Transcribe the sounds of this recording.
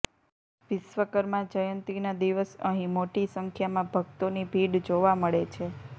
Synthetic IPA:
ʋɪsʋəkəɾmãd͡ʒəjə̃nt̪ɾinad̪iʋəsəɦĩmoʈisəŋkʰjamãbʱəɡt̪onibʱiɽd͡ʒoʋaməɭet͡ʃʰe

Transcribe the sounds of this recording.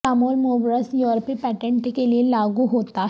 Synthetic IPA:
aːmoːlmoːbɾəsjɔɾpipɛːʈẽɳʈkelielaːɡuɦoːt̪a

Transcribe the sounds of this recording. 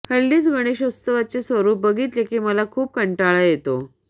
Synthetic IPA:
həlːiːt͡sɡəɽ̃eɕəst̪əʋat͡sesʋəɾuːp̚bəɡʱiːt̪lekʰiːməlakʰuːp̚kəɳʈaɭajet̪o

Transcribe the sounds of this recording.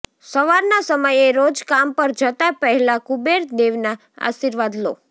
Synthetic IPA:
səʋaɾnasəməjeɾod͡ʒkampəɾd͡ʒət̪apəɦɛlakubeɾd̪eʋna | a̰ʃiɾʋad̪lo̰

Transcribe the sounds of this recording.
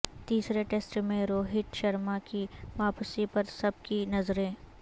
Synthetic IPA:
t̪iːsɾeʈeːsʈmẽɾoːɦɪʈʃɐɾmakiʋaːpsipɐɾsɐb̚kinɐzɾẽː

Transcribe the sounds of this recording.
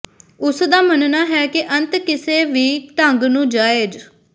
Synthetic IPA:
ʊsd̪aːmənnaːɦɛːkɪʔə̃nt̪kɪseːʋiːt̪əŋɡnũːd͡ʒaːeːd͡ʒ

